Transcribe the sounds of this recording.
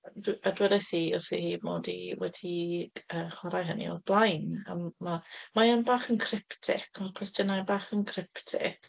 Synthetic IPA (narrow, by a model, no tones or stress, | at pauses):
dadwɛdajθiʊrθḭhiːdmo̰ːdiwɛdiəːχwaɾajɦənḭɔ̰ðblˠajna̰mːamajanbaːχənkʰrɪptʰɪ̰kʰɔkʰwɛstjənajbaːχənkʰrɪptʰɪ̰k